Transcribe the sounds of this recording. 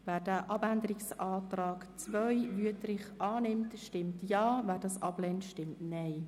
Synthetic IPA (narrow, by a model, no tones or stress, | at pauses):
væːdæːʔɑbændəɾɪksɑːtrɑːkt͡sʋœjʋyətɾɪχʔɑːnɪmtʃtɪmtjɑːvæːɾdɑsɑ̰b̥lɛntʃtɪmtnɛɪ